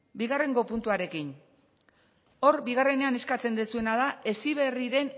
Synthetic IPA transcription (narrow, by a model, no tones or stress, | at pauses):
biɣare̞ŋɡo̞punt̪uaɾe̞kin | o̞ɾbiɣ̞are̞ne̞ane̞skat͡se̞nd̪esue̞nað̞aʔe̞siβ̞e̞riɾe̞n